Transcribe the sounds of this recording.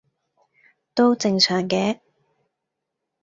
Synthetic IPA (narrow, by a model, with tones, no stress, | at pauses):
t̪o˥wt͡sɪ˧ŋsœː˨˩ŋkɛː˨˥